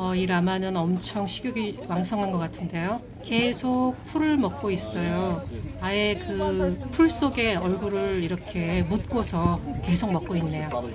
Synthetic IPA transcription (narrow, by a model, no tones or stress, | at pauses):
ʌiɾamanɯnʌmt͡ɕʰʌŋɕʰiɡjoɡiwaŋsʰʌŋɦanɡʌk͈atʰɯnde̞jo | ke̞sʰok̚pʰuɾɯɭmʌk̚k͈ois͈ʌjoaekɯpʰuɭs͈oɡe̞ʌɭɡuɾɯɭiɾʌkʰe̞mut̚k͈osʰʌke̞sʰok̚mʌk̚k͈oinːe̞jo